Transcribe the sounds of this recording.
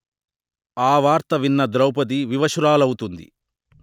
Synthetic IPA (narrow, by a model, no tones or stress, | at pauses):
aːʋaːɾt̪ɐʋinːɐd̪ɾɐwpɐt̪̬iʋiʋɐʂuɾaːlɐwut̪und̪ḭ